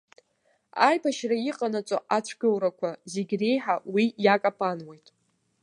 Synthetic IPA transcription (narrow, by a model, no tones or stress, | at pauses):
ajpʰaʃrajiqʼanat͡sʷʼo̰ʔat͡ɕʷʰɡʲowɾakʷʰazeɡʲrejħawijakʼapʰanwejtʼ